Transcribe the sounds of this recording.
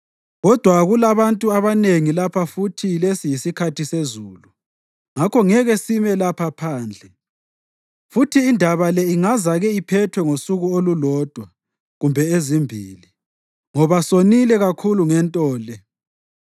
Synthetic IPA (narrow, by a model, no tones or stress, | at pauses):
ɣɔd̥ʱwaɣulaβantʼuaβaneŋilapʰafutʰilesijisikʰatʰisezuːlu | ŋakʰɔŋɛɣesimɛlapʰapʰaːnd͡ɮʱɛ | futʰiːndʱaβalɛiŋazaɣɛipʰɛtʰwɛŋosuɣuolulɔːd̥ʱwa | ɣumbʱɛezimbʱḭːli | ŋɔβasonilɛɣakʰuluŋɛntʼɔːlɛ